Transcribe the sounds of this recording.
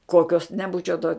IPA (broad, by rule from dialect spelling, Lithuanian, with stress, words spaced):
ˈkoːkʲoːs nʲɛˈbuːt͡ʃʲɛʊ toː